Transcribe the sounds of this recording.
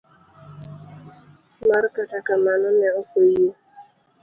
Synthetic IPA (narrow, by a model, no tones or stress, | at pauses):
maɾɪkatakamanʊnɛʊfoijo